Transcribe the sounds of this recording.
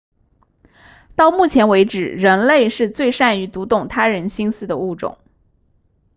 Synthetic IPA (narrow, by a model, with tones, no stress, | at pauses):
t̪ɑ˥˧ʊmu˥˩t͡ɕʰjɛ˧˥nwe˧˥ɪʈ͡ʂɻ̩˨˩ɻə˧˥nle˥˧ɪʂɻ̩˥˧t͡swe˥˧ɪʂa˥˩ny˧˥t̪u˧˥t̪ʊ˥˩ŋt̪ʰa˥ɻə˧˥nɕi˥nsɹ̩˥˩d̪ə˩u˥˩ʈ͡ʂʊ̰˨˩˦ŋ